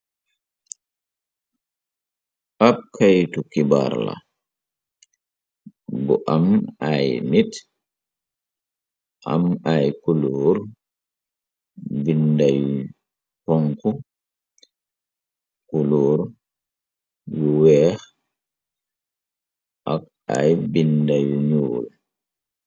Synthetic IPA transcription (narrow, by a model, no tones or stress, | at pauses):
ʔab̚kʰajtukiba̰ɾla̰ | bɔ̰ʔamajnit | ʔa̰majkuloːɾ | bindaj | pɔŋku | kuluːɾ | juwɛh | ʔa̰k | a̰jbindajuɲuːl